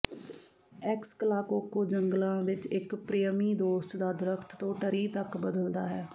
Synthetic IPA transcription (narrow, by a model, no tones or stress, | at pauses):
ɛkskəlaːkokːoːd͡ʒəŋɡlãːʋɪt͡ʃɪkpɾiːjəmiːd̪oːst̪d̪aːd̪ɪɾəkʰt̪t̪ːõːʈəɾiːt̪əkbəd̪əld̪aːɦɛː